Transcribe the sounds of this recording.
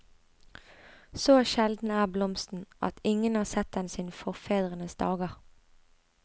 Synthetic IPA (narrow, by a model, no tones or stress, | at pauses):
soːʃɛld̪n̩æːblɔmst̪n̩ʔɑ̰t̪ɪŋənɑːʁsɛt̪̚d̪ɛnsɪːnfɔʁfeːd̪ʁənəsd̪ɑːɡəʁ